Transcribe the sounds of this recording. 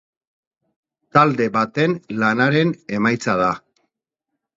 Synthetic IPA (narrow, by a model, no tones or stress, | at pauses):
t̪ald̪e̞βat̪e̞nlanaɾe̞ne̞majt͡sað̞a